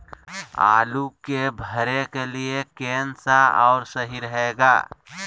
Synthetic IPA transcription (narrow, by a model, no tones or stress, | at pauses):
a̰ːlukebʱəɾekeliekeːnsaɔːɾsəɦiɾəɦeːɡa̰ː